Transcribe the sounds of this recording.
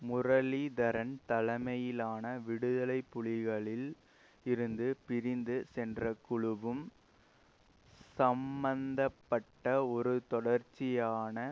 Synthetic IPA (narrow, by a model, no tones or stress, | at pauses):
mʊrɐlid̪ɐɾɐnt̪ɐlɐmɐjɪlaːnɐʋɪɽɯðɐlɐɪpːʊɻɪɣɐɭɪl | ɪɾɯnd̪ɯpɪɾɪnd̪ɯsɛndrɐkʊɻɯʋɯm | sɐmbɐnd̪ɐpːɐʈːɐɔɾɯt̪ɔɽɐɾt͡ʃːɪjaːnɐ